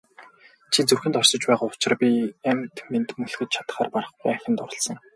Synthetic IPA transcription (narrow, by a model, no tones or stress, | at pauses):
t͡ɕʰit͡surxɘ̆nt̪ɔrsɞ̆t͡ɕpæːʁaːʊt͡ɕɪ̆rpʲiæmt̪ment̪mɵɮxɘ̆t͡ɕt͡ɕʰḁt̪̆χaːrparə̆χɡujæxʲɪ̆nt̪ɔɾɞ̆ɮsɞ̆ŋ